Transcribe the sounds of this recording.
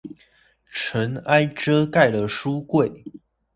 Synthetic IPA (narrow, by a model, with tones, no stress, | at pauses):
ʈ͡ʂʰə˨˦na˥ɪʈ͡ʂɤ˦˥ka˥˨ɪlə˩ʂu˦kwe˥˨˩ɪ